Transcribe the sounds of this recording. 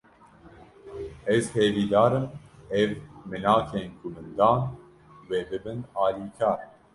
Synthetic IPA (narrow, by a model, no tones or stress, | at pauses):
ɛzheːviːd̪aːɾɨmɛvmɨnaːkʰeːnkʰumɨnd̪aːn | weːbɨbɨnaːliːkʰaːɾ